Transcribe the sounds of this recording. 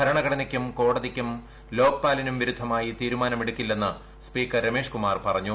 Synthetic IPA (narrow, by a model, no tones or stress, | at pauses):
ɐɾɐɳɐɡɐɽɐnɐkʲːumko̞ːɽɐðikʲːum | lo̞ːkpaːlɐnumʋiɾud̪ʱːɐmaːjit̪iːɾumaːnɐmiɽukʲːilːenːɐ | spiːkːɐrːeme̞ːʂkumaːrpɐrɐɲːu